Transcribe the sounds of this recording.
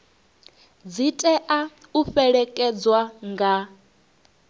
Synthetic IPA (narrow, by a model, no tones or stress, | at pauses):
d͡zitʼɛʔauɸɛɺɛkʼɛd͡zwaŋɡa